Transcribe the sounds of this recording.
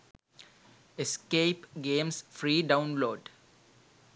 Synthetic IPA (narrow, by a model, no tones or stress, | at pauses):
eskeːpɡẽːmsfɾiːɖãʊ̃nloːɖ